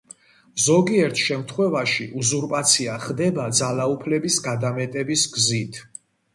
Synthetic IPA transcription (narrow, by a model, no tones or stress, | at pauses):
zɔɡiɛɾt̪ʰʃɛmt̪ʰχwɛvaʃiʔuzuɾpʼat̪sʰiaχd̪ɛbad̪zalaupʰlɛbisɡad̪amɛt̪ʼɛbisɡzit̪ʰ